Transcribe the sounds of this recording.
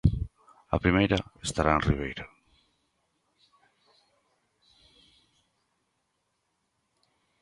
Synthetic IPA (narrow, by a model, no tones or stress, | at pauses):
apɾimejɾaest̪aɾaenriβ̞ejɾa